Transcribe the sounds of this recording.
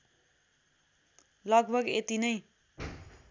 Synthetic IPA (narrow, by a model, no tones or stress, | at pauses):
lʌɡbʱʌɡet̪inʌj